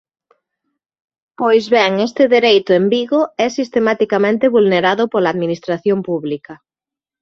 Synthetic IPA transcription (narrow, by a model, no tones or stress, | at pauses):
pojzβɛŋest̪ɪðeɾejt̪ʊembiɣoɛsist̪emat̪ikamẽnt̪eβulneɾaðʊpolaðminist̪ɾaθjompuβlikɐ